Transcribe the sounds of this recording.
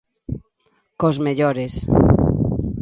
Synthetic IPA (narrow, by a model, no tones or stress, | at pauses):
kozmeʎoɾes